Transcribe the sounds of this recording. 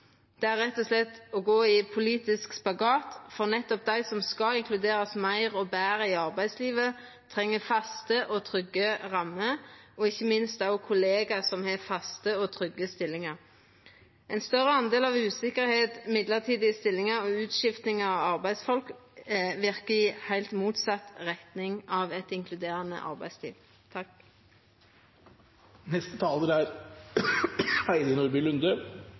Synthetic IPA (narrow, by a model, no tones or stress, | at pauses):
d̪̥ɛæʁːɛt̪ːɔslɛt̪ːɔɡoːɪpʰʊliːt̪ɪskspɑɡɑːt̪fɔʁnɛt̪ːɔp̚d̪æɪsɔmskɑɪŋkʰlʉd̪eːɾɑsmæɪʁɔbæːʁəɪɑʁbæɪsliːʋə | t̪ʰʁɛŋːəfɑst̪əʔɔt̪ʰʁʏɡːəʁɑmːəɔɪçːəmɪnst̪ɑʊkʰʊleːɡɑsɔmheːfɑst̪əɔt̪ʰʁʏɡəst̪ɪlːɪŋɑʁ | ʔɛɪnst̪œʁəɑnd̪eːlɑʋʉːsɪkəʁheːt̪mɪd̪ləʁt̪ʰiːd̪ɪəst̪ɪlːɪŋəɔʉːt̪ʃɪft̪nɪŋɑʋɑʁbæɪsfɔlk | ʋɪʁkəɪhæɪlt̪muːt̪sɑt̪ʁɛt̪nɪŋɑʋɛt̪ɪŋkʰlʉd̪eːʁənə̰ʔɑ̰ʁbæ̰ɪslḭːʋ | t̪ʰ | nɛst̪ət̪ʰɑːləɾæɾ | æɪd̪ənʊɾbɪlʉnd̪ə